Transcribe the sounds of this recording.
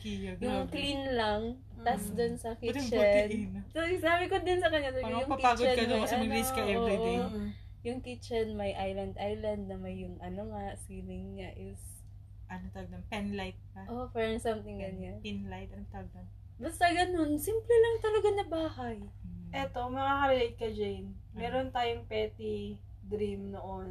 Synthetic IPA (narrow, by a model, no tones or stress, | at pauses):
kijjʊŋklinlɐŋ | t̪ɐsd̪onsɐkit͡ʃɐnnt̪oɪnaːbɪkod̪ɪnsɐkɐɲːat̪ojʊŋɐkpaɡt͡ʃdɐnɐokɐɐɡ̪liskɐoʔ | jʊŋkɪt͡ʃɐnmɐjʔajlɐnd̪ʔajlɐnd̪̚nɐmɐjːʊŋʔɐnoŋasiːɾɪŋːaʔɪs | ʔɐnot̪ɐlɐɡ̪ɐmpɛnlajt̪̚pɐʔofɛɹŋsɐmt̪ɪŋɡɐnɲanpinlajt̪̚ɐnot̪ɐɐɡ̪̚ɐ | bɐst̪ɐɡɐno̞nsimplɛlɐŋt̪ɐlɐɡanɐbaːhajʔɛt̪o̞mɐŋakɐɾɪlɪd̪̚kɐd͡ʒejnmɛːɾont̪aːjoŋpɛːt̪i | d̪ɾimnoʔon